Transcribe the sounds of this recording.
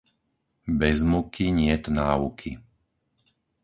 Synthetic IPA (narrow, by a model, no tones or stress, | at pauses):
bɛzmukʰiɲɪɛt̪naːṵkʰḭ